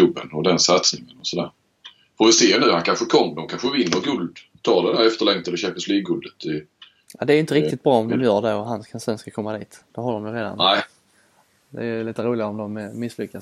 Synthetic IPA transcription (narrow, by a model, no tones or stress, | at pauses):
ɵbːə̰nɔd̪ɛnsat̪snɪŋənɔsɔd̪æ̰ːɾ | fɔvɪseːnʉ̟ːhankʰanɧəkʰɔmːd̪ɔmkʰanɧəvɪnːəɾɡɵld̪ | t̪ʰɑːɾd̪ɛd̪æɾɛft̪əɭɛŋt̪ɛlːəɕæmpɪənsliːɡːɵld̪ət̪ʰɪ | jad̪ɛæɾjʏnt̪əɾɪk̚t̪ɪt̪̚bɾɑːɔmd̪ɔmjœːɖɛɔɦanskʰansɛnskakʰɔmːad̪iːt̪d̪̥ɛhaɾd̪ɔmj̪ʊɾeːd̪a̰næ | d̪ɛ̰jliːt̪əɾuːlɪɡaɔmd̪ɔmmɪslʏkːas